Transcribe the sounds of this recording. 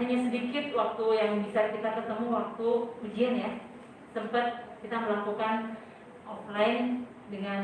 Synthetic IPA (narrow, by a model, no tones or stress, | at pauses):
adaɲasədikɪt̪̚wak̚t̪ujaŋbisakit̪akərt̪əmuwak̚t̪ubəd͡ʒianja | səmpət̪̚kit̪aməlakukan | ʔɔflaɪn | dəŋan